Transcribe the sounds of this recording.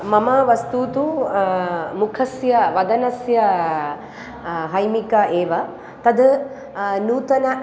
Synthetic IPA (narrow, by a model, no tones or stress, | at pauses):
mɐmɐʋɐst̪uːt̪u | mukʰɐsjɐʋɐd̪ɐnɐsjɐ | ɦɐjmikɐʔeːʋɐ | t̪ɐd̪ | nuːt̪ɐnɐ